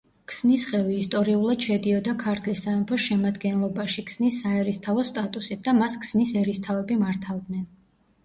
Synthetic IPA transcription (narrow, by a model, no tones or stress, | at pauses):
kʰsnisχɛviːst̪ʼɔɾiulˠad̪̥ʃɛd̪iɔd̪akʰaɾt̪ʰlisaɛmpʰɔsʃɛmad̪ɡɛnlˠɔbaʃikʰsnisaɛɾist̪ʰavɔst̪ʼat̪ʼusit̪̚ʰd̪amaskʰsnisɛɾist̪ʰavɛbimaɾt̪ʰavd̪nɛn